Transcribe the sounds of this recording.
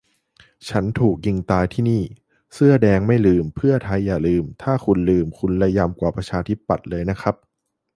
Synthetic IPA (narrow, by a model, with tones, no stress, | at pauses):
t͡ɕʰa˦˥nt̪ʰuː˨˩k̚ji˧ŋt̪aː˧jt̪ʰiː˥˩niː˥˩ | sɯ˥˩ɐdɛː˧ŋma˥˩jlɯː˧mpʰɯ˥˩ɐt̪ʰa˧jːaː˨˩lɯː˧mt̪ʰaː˥˩kʰu˧nlɯː˧mkʰu˧nla˧ja˧mkwaː˨˩pɾa˧t͡ɕʰaː˧t̪ʰi˦˥pːa˨˩t̪̚lɤː˧jna˦˥kʰa˦˥p̚